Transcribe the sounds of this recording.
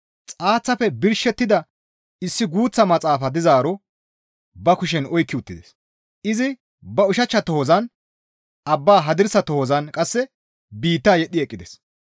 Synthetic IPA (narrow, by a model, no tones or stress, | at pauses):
t͡sʼaːt͡sːɐfɛbɪɾʃɛt̪ːɪd̪ɐ | ɪsːɪɡuːt͡sːɐmɐt͡sʼaːfɐd̪ɪzaːɾɔ | bɐkʊʃ̬ɛnɔjkːɪʊt̪ːɪd̪ɛs | ʔɪzɪ | bɐʊʃɐt͡ʃːɐt̪ɔhɔzɐn | ʔɐbːaːɦɐd̪ɪɾsɐt̪ɔhɔzɐnkʼɐsːɛ | biːt̪ːaːjɛɗːɪɛkʼːɪd̪ɛs